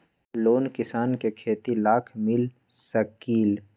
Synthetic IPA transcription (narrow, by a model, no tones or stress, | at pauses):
loːnkɪsaːnkekʰeːt̪ilaːkʰmɪl | səkiːl